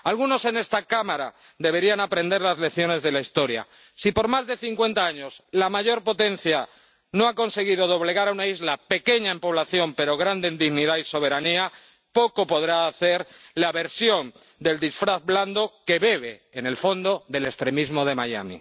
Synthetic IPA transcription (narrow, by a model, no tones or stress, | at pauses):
alɣ̞uno̞se̞ne̞st̪akamaɾa | ðe̞βe̞ɾianapɾe̞nd̪e̞ɾlazle̞θjo̞ne̞zðe̞laist̪o̞ɾja̰ | sipo̞ɾmazðe̞θiŋkwe̞nt̪aaɲo̞slamaʝo̞ɾpo̞t̪e̞n̟θja | no̞ako̞nse̞ɣ̞iðo̞ðo̞βle̞ɣaɾaunaizlape̞ke̞ɲaempo̞β̞laθjo̞mpe̞ɾo̞ɣɾand̪eind̪iɣniðaiso̞β̞e̞ɾania | po̞ko̞po̞ðɾaːθe̞ɾlaβe̞ɾsjo̞n | d̪e̞ld̪isfɾaθbland̪o̞ke̞βe̞βe̞ːne̞lfo̞nd̪o̞ðe̞le̞kst̪ɾe̞mizmo̞ð̞e̞maja̰mḭ